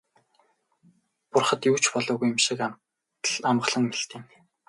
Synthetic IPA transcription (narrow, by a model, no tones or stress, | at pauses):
pʊrχə̆t̪juːt͡ɕpɔɮɔːɣujɪ̆mʃĭka | ɮamʁ̆ɮə̆ŋmiɬt̪iːn